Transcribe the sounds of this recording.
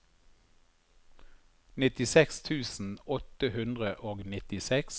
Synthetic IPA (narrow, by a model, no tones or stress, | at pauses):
nɪt̪ɪsɛkst̪ʰʉːsn̩ɔt̪əhʉnd̪ʁəʔoːɡnɪt̪ɪsɛks